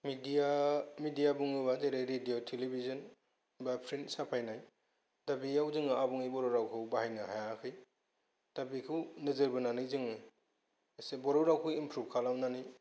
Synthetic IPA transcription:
midiamidijabuŋɯbazeɾajɾedijotʰelibizɔn | bapʰɾinsapʰajnaj | dabijawzɯŋaabuŋɯjbɔɾoɾawkʰɯwbahajnɯhajakʰɯj | d̥abikʰɯwnɯzɯɾbɯnanɯjzɯŋɯ | sebɔɾowɾawkʰɯwimpʰɾub̚kʰalawnanɯj

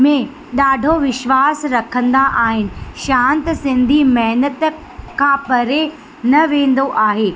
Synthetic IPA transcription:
mẽ | ɗaːɖʱoʋɪʃʋaːsɾɐkʰə̃nd̪aʔaːɦɪnɪ̆ʃãːnt̪sɪ̃nd̪ʱimɐɦnət̪ | kʰãpɐɾe | nɐʋẽːn̆d̪oʔaːɦeː

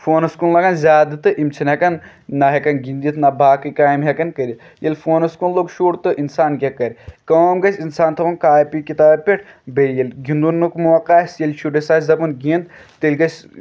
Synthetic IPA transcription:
foːnɐskunlɐɡɐnzʲaːd̪ɨt̪ɨʔimt͡ʃʰɐnɦɐkɐn | nɐɦekɐnɡind̪it̪ʰnɐbaːkɨkaːjmɦekɐnkɐɾʲi | jɐlʲfoːnɐskunloɡʃuːʈt̪ɨʔinsaːnɡʲekɐɾʲkoːmɡɐsʲinsaːnt̪ʰɐpɐnkaːpikit̪aːbpʲeʈ̚ʰ | bejɐlʲɡind̪unːukmuʋɐkaːsjɐlʲʃuɖɐsaːszɐpɐnɡind̪̚t̪ilʲɡɐs

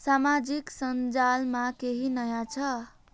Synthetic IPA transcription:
samad͡ʒiksənd͡ʒalmãkeɦinəjat͡ʃʰə

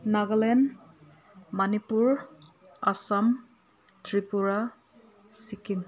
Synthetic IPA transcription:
naɡlɛn | manipuɹ | asam | tʰɹipuɹa | sikim

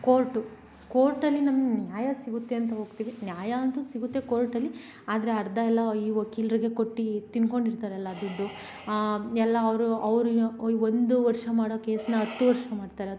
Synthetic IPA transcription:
koːɾʈu | koːɾʈɐlːinɐmɐɡnjaːjɐsiɡut̪ːe̞ɐnt̪ɐɦo̞ːɡt̪iːʋinjaːjɐɐnt̪usiɡut̪ːe̞koːɾʈɐlːi | aːd̪ɐɾeɐɾd̪ɐɛlːɐiːʋokiːlɐɾiɡe̞ko̞ʈːit̪inko̞ɳɖiɾt̪aːɾeɐlːɐd̪uɖːu | ɛlːɐːʋɾuɐʋɾuond̪uʋɐɾʂɐmaːɽoːke̞ːsɐnɐɦɐt̪ːuʋɐɾʂɐmaːɖt̪aːɾeɐd̪

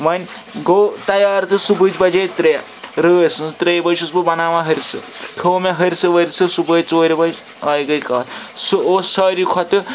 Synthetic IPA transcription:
ʋɐnʲ | ɡoːt̪ɐjaːɾt̪ɨsubɨd͡ʒbɐd͡ʒeːt̪ɾe | ɾəːɐsɨt̪ɾeːjbɐʃusbɨbɐnaːʋãɦɐɾʲsɨ̰kʰoːmɐɦɐɾʲsɨʋɐɾʲsɨsubɐjt͡soːɾʲibɐd͡ʒ | ajɡɐjkaːt̪suosɐːɾʲikʰɔt̪ɨ

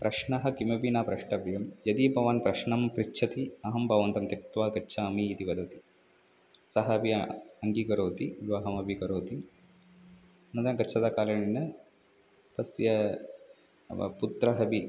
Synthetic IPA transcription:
pɾɐʃɳɐɦɐkimɐbinaːpɾɐʂʈɐbjɐmjɐd̪ipɐʋaːnpɾɐʃɳɐmpɾitːt͡ʃʰɐt̪iɐɦɐmbʱɐʋɐnt̪ɐmt̪ɐkt̪ʋaːkɐtːʃʰaːmiːt̪iʋɐd̪ɐt̪i̥ | sɐɦɐːbiɐŋɡikɐɾoːt̪iɡʋɐɦɐmɐbʱikɐɾoːt̪i | ɐnɐnd̪ɐnɐkɐtːt͡ʃʰɐd̪aːkaːlɐɳinɐ | t̪ɐsjɐ | put̪ɾɐɦɐbi

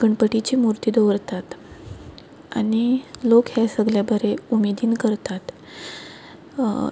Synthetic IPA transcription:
ɡ̥əɳpəʈit͡ɕiːmuɾt̪iːd̪əʋɾt̪at̪ | a̰ɽ̃ilokɦasəɡljabʱəɾeumed̪iːnkəɾt̪at̪

